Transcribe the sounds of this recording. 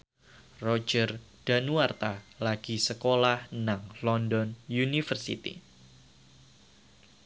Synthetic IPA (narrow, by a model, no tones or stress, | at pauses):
rɔd͡ʒər | d̥anuart̪alaɡ̥isəkolahnaŋlɔndɔnjunifərsḭt̪ḭ